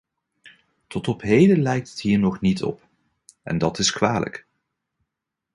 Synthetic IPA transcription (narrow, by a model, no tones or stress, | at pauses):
tɔtɔpɦejdəlɛjk̚tətɦiːɹnɔχnitɔ̰p | ʔɛ̰ndɑtɪskʋaːlə̰k